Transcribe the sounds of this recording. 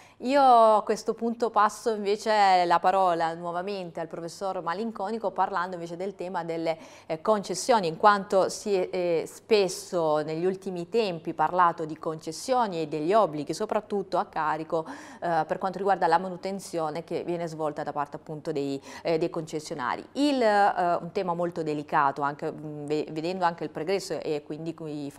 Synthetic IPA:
iːoakːwest̪opunt̪opasːoiɱveːt͡ʃelapaɾɔːlanwɔvament̪ealpɾofesːormaliŋkɔːnikoparland̪oiɱveːt͡ʃed̪elt̪ɛːmad̪elːe | kont͡ʃesːjoːniːŋkwant̪osiɛspesːoneʎːult̪imit̪ɛmpiparlaːt̪od̪ikont͡ʃesːjoːnied̪ːeʎːɔbːliɡisopɾat̪ːut̪ːoakːaːɾikoperkwant̪oɾiɡward̪alamanut̪ent̪sjoːnek̟evːjɛːnezvɔlt̪ad̪apart̪eapːunt̪od̪ejd̪ejkont͡ʃesːjona̰ːɾḭilṵnt̪ɛːmamolt̪od̪elikaːt̪oaŋk̟eveved̪ɛnd̪oaŋk̟eilpɾoɡɾɛsːoʔekːwind̪ikf

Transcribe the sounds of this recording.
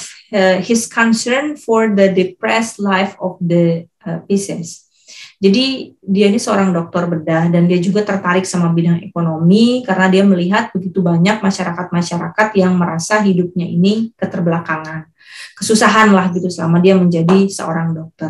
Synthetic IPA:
əhɪskʰɔnsərnfɔrd̪ədepɾɛslajfɔfd̪ə | əpisɛs | d͡ʒadidiainisəoɾaŋdɔk̚t̪ɔrbədahdandiad͡ʒuɡat̪ərt̪aɾɪk̚samabidaŋḛkonomikaɾənadiaməliɦat̪̚bəɡit̪ubaɲak̚maʃaɾakat̪̚maʃaɾakat̪jaŋməɾasaɦidup̚ɲaḭnikət̪ərbəlakaŋan | kəsusaɦanlahɡit̪usəamadiaməɲd͡ʒadisə̰o̰ɾaŋdɔk̚t̪ɔr

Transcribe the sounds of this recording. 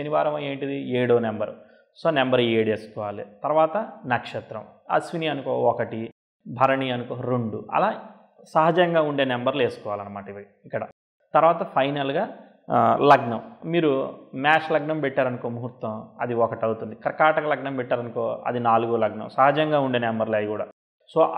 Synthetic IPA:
t͡ʃeniʋaːɾɐmɐːeːɳʈid̪ieːɽoːnembɐɾ | soːnembɐɾeːɽeːsu̥kɔːʋaːlḭt̪ɐɾuʋaːt̪ɐnɐkʂɐt̪ɾɐ̰m | ɐ̰sʋiniɐnukoːɔkɐʈi | bʱɐɾɐɳijɐnukoːɾoɳɖuɐ̰laː | sɐɦɐd͡ʒɐŋɡaːuɳɖeːnembɐɾle̞ːsu̥kɔːʋaːlɐnːɐmaːʈɐʋi | ikːɐɽɐ̰ | t̪ɐɾʋaːt̪ɐpʰɐjnɐlɡaː | lɐɡnɐmmiːɾumaːʃlɐɡnɐmpɛʈːaːɾɐnukoːmuɦuɾt̪ːɐmɐ̰d̪iɔkɐʈɐwut̪und̪ikɐɾkaːʈɐkɐlɐɡnɐmpɛʈːaːɾɐnukoːɐ̰d̪inaːluɡoːlɐɡnɐ̰msɐɦɐd͡ʒɐŋɡaːuɳɖe̞ːnembɐɾleːj̪ikuːɽa̰ː | soː

